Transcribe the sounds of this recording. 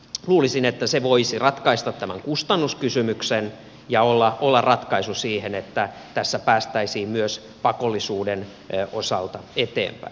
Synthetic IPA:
luːlisinet̪ːæseʋoisirɑt̪kɑist̪ɑt̪t̪æmæ̰ŋkust̪ɑnːuskysymyksen | jɑolːɑʔolːɑrrɑt̪kɑisusiːhenet̪ːæ | t̪æsːæpæːst̪æisiːmmyøs | pɑkolːisuːden | ʔosɑlt̪ɑet̪ḛːmpæ̰i

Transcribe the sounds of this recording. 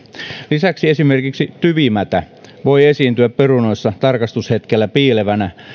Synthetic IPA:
lisæksiesimerkiksit̪yʋimæt̪æ | ʋoiesiːnt̪yæpperunoisːɑt̪ɑrkɑst̪ushet̪kelːæpiːleʋænæ

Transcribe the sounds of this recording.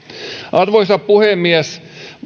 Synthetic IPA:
ʔɑrʋoisɑppuhemːiæs

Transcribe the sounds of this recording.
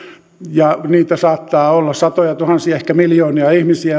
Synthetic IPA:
jɑniːt̪æsɑːt̪ːɑːolːɑsɑt̪ojɑt̪uhɑnsiɑehkæmiljoːniɑihmisiæ

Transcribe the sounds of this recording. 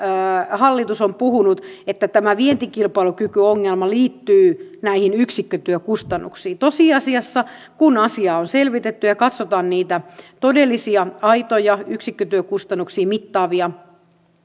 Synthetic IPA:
hɑlːit̪usompuhunut̪et̪ːæt̪æmæʋient̪ikilpɑilukykyoŋːelmɑliːt̪ːyːnæihinyksikːøt̪yøkust̪ɑnːṵksiːt̪osiːɑsiɑsːɑ | kunɑsiɑːonselʋit̪et̪ːyjɑkɑt̪sot̪ɑːnniːt̪æt̪odelːisiɑɑit̪ojɑyksikːøt̪yøkust̪ɑnːuksiːmit̪ːɑːʋiɑ

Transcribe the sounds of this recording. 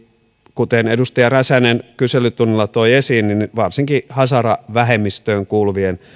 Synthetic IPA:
kut̪enedust̪ɑjɑræsænenkyselːˑyt̪unːilːɑt̪oiesiːnninʋɑrsiŋkihɑsɑrɑʋæɦemːist̪øːŋkuːlʋien

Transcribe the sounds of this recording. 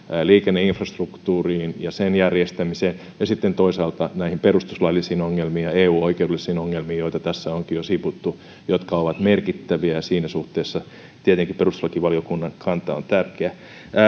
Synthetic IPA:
liːkenːeiɱfrɑst̪rukt̪uːriːnjɑsenjærjest̪æmiseːn | jɑsit̪ːent̪oisɑːlt̪ɑnæihimperust̪u̥slɑlːˑisiːnoŋːelmiːjɑeːuːoikeudelːˑisiːnoŋːelmiːjoit̪ɑt̪æsːæoŋkijosiput̪ːu | jot̪kɑoʋɑt̪merkit̪ːæʋiæjɑsiːnæsuht̪eːsːɑ | t̪iet̪eŋkipperust̪u̥slɑkiʋɑlijokunːɑŋkʰɑnt̪ɑo̰nt̪ærkeæ

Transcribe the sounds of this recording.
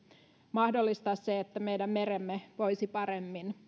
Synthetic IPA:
mɑhdolːist̪ɑsːeet̪ːæmejdæmːe̞ɾemːeʋojsipɑɾemːin

